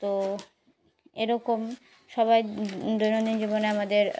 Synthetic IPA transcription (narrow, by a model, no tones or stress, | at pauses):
t̪o | eɾɔkom | ʃɔβajd̪ojnod̪ind͡ʑiboneamad̪eɾ